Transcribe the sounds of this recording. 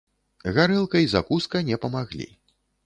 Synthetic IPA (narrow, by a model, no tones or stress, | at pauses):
ɣaɾɨlˠkɐizakuskɐnʲɛpɐmaɣlʲḭ